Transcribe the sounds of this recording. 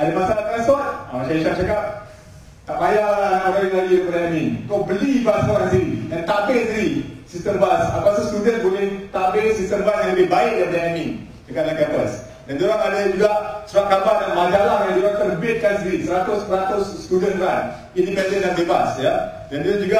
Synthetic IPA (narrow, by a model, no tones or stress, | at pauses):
adapasalak̪akansɔt̚a̰aʃaiʃaʔ̚t͡ʃakap̚ | t̪aʔbajalanaʔɾaɪŋlaɡikəpadaɛnĩut̪ʊʔ̚bəlibast̪okansiɾidant̪abɪlsiɡisist̪əmbasapasust̪udənbulɪht̪abɪlsist̪əmbasjaŋləbɪbaɪʔ̚japadaɛnĩ | dəkaʔlaŋkabəs | dant̪uɾaŋadəd͡ʒuɡaʔsəɾaʔkabaʔdanmãd͡ʒalahkant̪uɾant̪ərbɪt̪̚kans̬iɾisəɾat̪ʊspəɾat̪ʊsːt̪udənpan | indipɛndənlaŋbebasjadanand͡ʒuɡa